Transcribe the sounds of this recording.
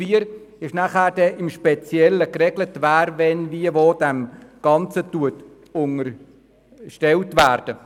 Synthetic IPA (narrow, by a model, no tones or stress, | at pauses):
fiəɾ | ɪʃnæχæːɾd̥ɛʔɪmʃpɛt͡sjɛləkrɛɡlətvæːɾvɛnviəvoːd̥æmɡ̥ɑnt͡sətuət | ʊŋər | ʃtɛltvæːɾd̥ə